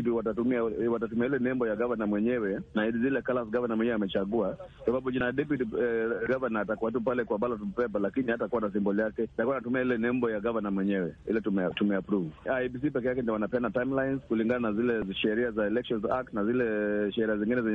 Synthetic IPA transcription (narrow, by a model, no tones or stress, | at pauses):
twatatumiawatatumiailɛnɛmbɔjaɡavanamwɛɲɛwɛnaizilɛkalasɡavanamwɛɲɛwɛamɛt͡ʃaɠuaksababud͡ʒinadɛp̬utiɡavanahatakuat̬upalɛkwaɓalɔtɔvpɛp̬alakinihatakuwanas̬imbɔlijakɛtakuanatumiailɛnɛmbɔjaɡavanamwɛɲɛwɛḭlɛtumɛtumɛapɾuvuaibis̬ipɛkɛjakɛndiwanapɛndatajmlajnzkuliŋɡananazilɛʃɛɾiazaɛlɛkʃɔnza̰k̚tnazilɛʃɛɾiaziŋɡinɛzɛɲɛ